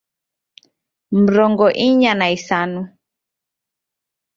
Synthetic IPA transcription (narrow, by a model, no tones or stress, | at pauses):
m̩ɾɔŋɡɔʔiɲanaisanu